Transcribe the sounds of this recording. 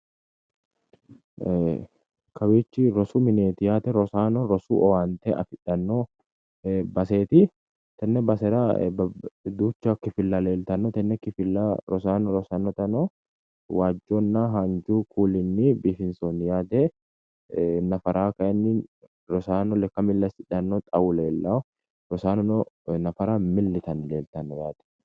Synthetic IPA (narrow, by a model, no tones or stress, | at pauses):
kɐweːt͡ʃːɪɾɔsuːmɪneːt̪ɪjaːt̪ɛɾɔsaːnɔɾɔsṵːʔɔwaːnt̪ɛʔɐ̰fɪᶑɐnːo | bɐseːt̪ɪ | t̪ɐnːɛbɐsɛɾabd̪uːt͡ʃːakːɪfɪlːaleːlt̪ɐnːɔt̪ɐnːɛkːɪfɪlːaɾɔsaːnɔɾɔsaːnːɔt̪ɐnɔ | waːd͡ʒːoːnːaɦand͡ʒuːkʰuːlɪnːɪbiːfɪnsoːnːɪjaːd̪ɛ | nɐfɐɾaːkɐʔɛnːɪ | ɾɔsaːnɔlɛkːɐmɪlːɐsɪᶑɐnːɔt̪ʼɐwʊleːlːaː | ɾɔsaːnɔnɔnɐfɐɾamɪlːɪt̪ɐnle̞ːlt̪ɐnːɔjaːd̪̥ɛ̥